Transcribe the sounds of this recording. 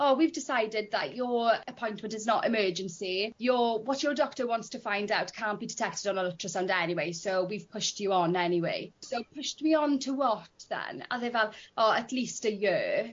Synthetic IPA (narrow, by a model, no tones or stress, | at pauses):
ɔwivdɪsaɪdɪd̪̚ðə̰ʔjəəpʰɔ̃j̃ntmə̃ntɪznətɪ̰mɜːd͡ʒə̃nsijəwɔtjədɔk̚təwɔ̃ntstʰəfãɪ̃ndawtkʰãːnb̥idɪtʰɛk̚tɪdnəlɪtʰɹəsãʊndɛniweɪsowwiv̥pʰʊʃtjəə̃nɛniwḛɪsoʊpʰʊʃtmiə̃ntʰəwɔtðə̰̃na̰ðevɛlˠɔətʰlistəjəː